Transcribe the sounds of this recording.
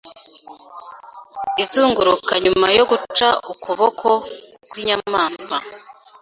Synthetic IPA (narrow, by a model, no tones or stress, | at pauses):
izuːŋɡuɾukaɲumajoɡut͡ʃaʔukuβokʰo | kwiɲamaːnzɡwa